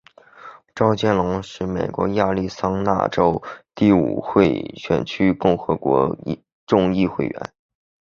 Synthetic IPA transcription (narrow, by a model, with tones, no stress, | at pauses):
ʈ͡ʂɑ˥ʊt͡ɕjɛ˥nlʊ˧˥ŋʂɻ̩˥˩me˨˩ɪkwɔ̰˧˥ja˥˧li˥˩sɑ˥ŋna̰˥˩ʈ͡ʂo˥ʊt̪i˥˩ṵ˨˩xwe˥˧˩ɪɕɥɛ̰˨˩nt͡ɕʰy˥kʊ˥˩ŋxɤ˧˥kwɔ̰˧˥˧ | ʈ͡ʂʊ˥˧ŋi˥˧xwe˥˩ɪɥɛ̰˧˥n